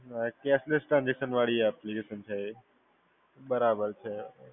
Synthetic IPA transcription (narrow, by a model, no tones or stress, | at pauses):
keːslesʈɾãnd͡ʑekʃənʋaːɭiɛːplikeːʃənt͡ʃʰe | bɐɾaːbəɾt͡ʃʰe